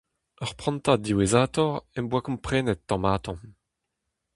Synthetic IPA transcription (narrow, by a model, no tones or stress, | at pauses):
œʁpχɑ̃nt̪ad̪iwezaːt̪ɔʁɛmbwakɔ̃mpχɛːnɛt̪̚ːɑ̃maːt̪ɑ̃